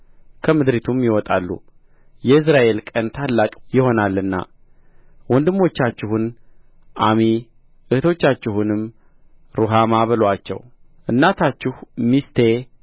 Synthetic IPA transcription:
kʰəmɨd̪ɾit̪ʰumjɪwɔt̪ʼa̰lːṵ | jɛɨs̬ɾaʔe̞lkʼənt̪ʰalːakʼjɪho̞nalːɨnːa̰ | wɔnd̪ɨmːo̞t͡ʃːat͡ʃːɪhun | ʔami | ʔɨht̪ʰo̞t͡ʃːat͡ʃːɪhunɨmː | ɾuɦamaβəlwat͡ʃːɛ̰w | ʔɨnːat̪ʰat͡ʃːɪhmist̪ʰe̞

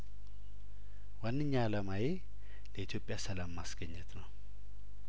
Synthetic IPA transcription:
wanːɨɲːaːləmaje | ləit̪ʰjo̞pʼːjasəlamːasɡəɲːət̪ʰnəw

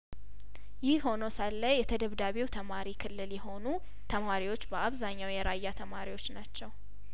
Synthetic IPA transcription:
jɪhho̞nosalːəjjɛt̪ʰəd̪əβd̪aβiwt̪ʰəmaɾikʰɨlːɨljɛɦo̞nu | t̪ʰəmaɾiwo̞t͡ʃːbəʔaβzaɲːawjɛɾʔajːat̪ʰəmaɾiwo̞t͡ʃːnat͡ʃːɛw

